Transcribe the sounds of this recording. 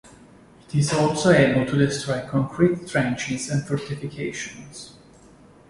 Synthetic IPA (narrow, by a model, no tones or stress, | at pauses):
it̪ɪzɔlsoeɪbəl̩ˠt̪ʰud̪ɪstɾɔjkʰɔ̃ŋkʰɹit̪ːɹɛ̃nt͡ʃɪzɛ̃nfɔɹt̪ifikʰeɪʃɔ̃ns